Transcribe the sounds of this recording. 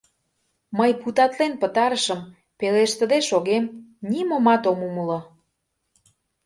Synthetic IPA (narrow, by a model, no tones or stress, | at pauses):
məjput̪ɑt̪lenpə̆t̪ɑɾəʃəm | peleʃt̪ə̆d̪eʃoɣemnimomɑt̪omuməlŏ